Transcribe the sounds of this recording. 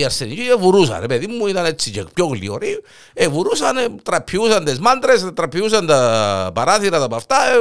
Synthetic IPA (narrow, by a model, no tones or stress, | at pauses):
iaɾsenid͡ʒievuɾusa̰nepeðimmːuiðanet͡sːid͡ʒekpjoɣlḭoɾi | evuɾusanet̪ɾapʰːiusand̪ezmand̪ɾest̪ɾapʰːius̬and̪apaɾaθiɾat̪apaft̪ae